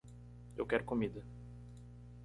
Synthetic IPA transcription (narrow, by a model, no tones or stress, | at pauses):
ewkɛɾʊkomid̪ɐ